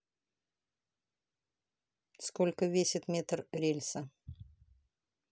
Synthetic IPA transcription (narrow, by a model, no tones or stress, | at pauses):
skolʲkəvʲesʲɪt̪mʲet̪rɾʲelʲsə